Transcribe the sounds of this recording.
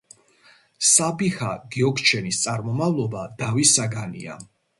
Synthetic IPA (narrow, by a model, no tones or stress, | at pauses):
sabihaɡ̥iɔkʰt͡ʃʰɛnist̪sʼaɾmɔmavlˠɔbad̪̥avisaɡanḭa̰